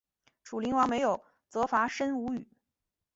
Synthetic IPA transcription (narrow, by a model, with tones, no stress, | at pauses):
ʈ͡ʂʰu˨˩li˧˥ŋwɑ˧˥ŋme˧˥ɪjo˨˩ʊ | t͡sɤ˧˥fa˧˥ʂə˥nu˧˥y˨˩˦